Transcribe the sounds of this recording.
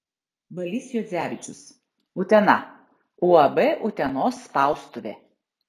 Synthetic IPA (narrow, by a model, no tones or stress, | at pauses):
bɐlʲɪsʲjod̪zʲæːʋʲɪt͡ʃʲʊs | ʊt̪ʲɛnɐ | ʊɐbɛʔʊt̪ʲɛnoːsːpɑˑʊst̪ʊʋʲḛ